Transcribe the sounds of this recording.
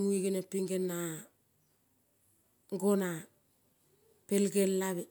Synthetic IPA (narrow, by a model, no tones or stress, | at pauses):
muiɡenapiŋɡenːa | ŋɡona | pelɡelːaβe